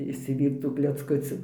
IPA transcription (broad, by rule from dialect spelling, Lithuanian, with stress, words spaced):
ɪʃʲsʲɪˈʋʲiːrt͡s tuː klʲɛt͡sˈkʊt͡sʲuː